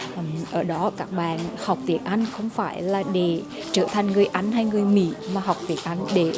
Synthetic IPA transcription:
ʔʔəː˧˩ɗɔ˨˦kaː˦˥k̚ɓaː˧˨˩nha˨˩wk͡p̚t̪i˧˩ənʔa˧jŋ̟xə˧wŋ͡mfaː˧˩jlaː˨˩ɗe˧˩ | t͡ɕəː˧˩t̪ʰa˨˩jŋ̟ŋɨ˨˩əjʔa˨˦jŋ̟ɦa˧jŋɨ˨˩əjmḭ˧˥maː˨˩ɦa˨˩wk͡p̚t̪i˧˩ənʔa˧jŋ̟ɗe˧˩

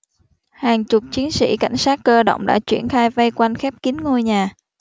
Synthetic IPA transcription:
haː˨˩ŋt͡ɕʊ˨˩k͡p̚t͡ɕi˨˦ənsḭ˧˥˩ka̰˧˩jŋ̟saː˦˥t̚kəː˧ɗo̰˧˨wŋ͡mɗa̰ː˧˥t͡ɕwḭ˧˩ənxaː˧jvə˧jkwa˧jnxɛ˦˥p̚ki˨˦ənŋo˧jɲaː˨˩

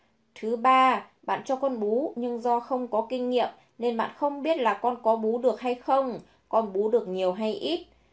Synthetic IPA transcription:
t̪ʰɨ˨˦ɓaː˧ɓa̰ː˧˨nt͡ɕɔ˧kɔ˧nɓu˨˦ɲɨ˧ŋzɔ˧xə˧wŋ͡mkɔ˨˦kï˧ŋ̟ːḭ˧˨əm | ne˧nɓa̰ː˧˨nxə˧wŋ͡mɓi˦˥ət̚laː˨˩kɔ˧nkɔ˨˦ɓu˨˦ɗɨ˨˩ək̚ɦa˧jxə˧wŋ͡m | kɔ˧nɓu˨˦ɗɨ˨˩ək̚ɲi˨˩əwɦa˧jʔi˦˥t̚

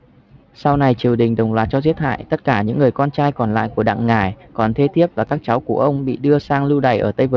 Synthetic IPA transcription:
sa˧wna˨˩jt͡ɕi˨˩əwɗï˨˩ŋ̟ɗə˨˩wŋ͡mlwaː˨˩t̚t͡ɕɔ˧zi˦˥ət̚ha̰ː˧˨jt̪ə˦˥t̚kaː˧˩ɲɨ̰˧˥ŋːɨ˨˩əjkɔ˧nt͡ɕaː˧jkɔ˨˩nla̰ː˧˨jku˧˩əɗa̰ː˧˨ŋːaː˨˩jkɔ˨˩nt̪ʰe˧t̪ʰi˦˥əp̚vaː˨˩kaː˦˥k̚t͡ɕa˨˦wku˧˩əʔə˧wŋ͡mɓḭ˧˨ɗɨ˧əsaː˧ŋlɨ˧wɗa̰˨˩jʔəː˧˩t̪ə˧jvɨ˨˩

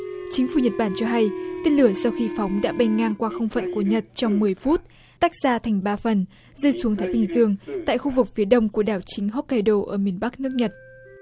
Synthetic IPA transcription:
t͡ɕï˨˦ŋ̟fu˧˩ɲə˨˩t̚ɓaː˧˩nt͡ɕɔ˧ɦa˧jt̪e˧nlɨ˧˩əsa˧wxi˧fɔ˨˦wŋ͡mɗa̰ː˧˥ɓa˧jŋ̟ŋaː˧ŋkwaː˧xə˧wŋ͡mfə̰˧˨nku˧˩əɲə˨˩t̚t͡ɕɔ˧wŋ͡mmɨ˨˩əjfu˦˥t̚ | t̪aː˦˥k̚z̥aː˧t̪ʰa˨˩jŋ̟ɓaː˧fə˨˩n | zəː˧jsu˨˦ŋt̪ʰaː˨˦jɓï˧˩ŋ̟zɨ˧əŋt̪a̰ː˧˨jxu˧vɨ˨˩k̚fi˨˦əɗə˧wŋ͡mku˧˩əɗaː˨˩wt͡ɕï˨˦ŋ̟ɦɔ˦˥t̚ka˧jɗo˧ʔəː˧˩mi˨˩ənɓa˦˥k̚nɨ˦˥ək̚ɲə˨˩t̚

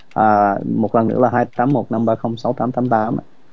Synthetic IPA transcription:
ʔaː˨˩mo˨˩t̚lə˨˩nɨ̰˧˥əlaː˨˩haː˧jt̪aː˨˦mːo˨˩t̚na˧mɓaː˧xə˧wŋ͡msa˨˦wt̪aː˨˦mt̪aː˨˦mt̪aː˨˦m̰˨

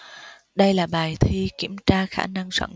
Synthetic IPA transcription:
ɗə˧jlaː˨˩ɓaː˨˩jt̪ʰi˧ki˧˩əmt͡ɕaː˧xaː˧˥˩na˧ŋswə̰˧˩n

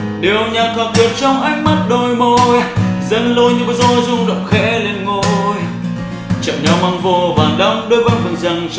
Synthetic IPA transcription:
ɗi˨˩əwɲaː˨˩t̪ʰwaː˨˩t̚ɗi˨˩ət̚t͡ɕɔ˧wŋ͡mʔa˦˥jk̟̚ma˦˥t̚ɗo˧˩jmo˧˩jzə˧˦nlo˧jɲɨ˧məː˨˩zɔ˧˩jzʊ˧ŋ͡mɗə̰˧˨wŋ͡mxɛ̰˧˥le˧nŋo˧j | t͡ɕə̰˧˨mɲɔ˨˩wma˧ŋvo˧˩vaː˨˩nɗə̰˧˥ŋ͡mɗo˧jvəː˨˦jfɨ˨˩nza˧˩ŋ

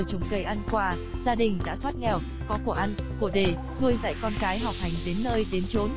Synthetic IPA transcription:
t͡ɕʊ˨˩ŋ͡mkə˧˩jʔa˧nkwaː˧ | zaː˧ɗï˨˩ŋ̟ɗa̰ː˧˥t̪ʰwaː˦˥t̚ŋɛ˨˩w | kɔ˨˦ku˧˩əʔa˧nku˧˩əɗe˧˩ | tu˧əjza̰˧˨jkɔ˧nkaː˨˦jɦa˨˩wk͡p̚ha˨˩jŋ̟ɗe˨˦nːəː˧jɗe˨˦nt͡ɕo˨˦n

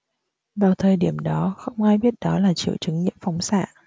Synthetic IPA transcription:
vaː˨˩wt̪ʰəː˨˩jɗi˧˩əmɗɔ˨˦xə˧wŋ͡mʔaː˧jɓi˦˥ət̚ɗɔ˨˦laː˨˩t͡ɕḭ˧˨əwt͡ɕɨ˨˦ŋɲḭ˧˥əmfɔ˨˦wŋ͡msa̰ː˧˨

